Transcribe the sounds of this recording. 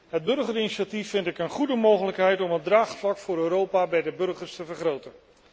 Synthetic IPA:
ɦəd̚bɵrχərɪniʃatifːɪntɪkənχudəmowχələkɦɛjtɔmɦədraːχflɑkfʊːɾøːɾowpaːbɛjdəbɵɹχəɹstəvəɹχrowtən

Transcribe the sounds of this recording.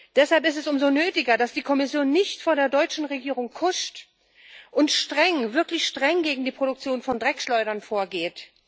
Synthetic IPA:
d̥ɛshalpɪstɛsʊmzonøːtɪɡɐdasd̥iːkʰɔmɪsjoːnːɪçtfoːɐdeːɐdɔʏt͡ʃn̩ʁeɡiːʁʊŋkʰʊʃt | ʔʊntʃtʁ̥ɛŋvɪɐklɪçʃtʁ̥ɛŋɡeːɡŋ̩diːpʁ̥oɾʊk̚t͡sjoːnfɔndʁɛkʃlɔʏɾɐnfoːɐɡeːt

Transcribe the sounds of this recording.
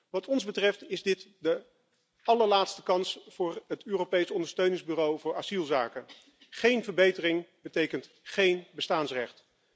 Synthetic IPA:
ʋɑtɔnzbətrɛftɪzdɪtdə | ʔɑləɹlaːtstəkɑnsfʊːɹɦətøːropejsɔndəɹstøɥnɪŋzbyːrowvʊːɹazilˠzaːkə | χejnvəɹbejtərɪŋbətejkənt | χejnbəstaːnsrɛχt

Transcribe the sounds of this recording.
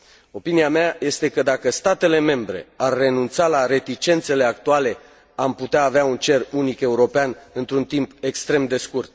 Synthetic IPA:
o̞piniameaje̞st̪e̞kəd̪akəst̪at̪e̞le̞me̞mbɾe̞̰arʲːe̞nunt̪salaɾe̞t̪it͡ʃe̞nt̪se̞le̞ak̚t̪uale̞ | amput̪eaːveaunt͡ʃe̞runike̞uɾo̞peanɨnt̪ɾunt̪impe̞kst̪ɾe̞md̪e̞skurt̪̚

